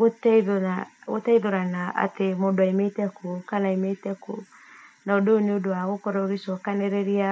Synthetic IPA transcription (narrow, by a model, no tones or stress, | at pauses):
ɣotɛðaɣotɛiðoɾanaa̰temoːndoaimetɛkʰokanaimetɛko̰ | naodooneodowaɣokɔɾɛoɾesɔkanɛɾɛɾia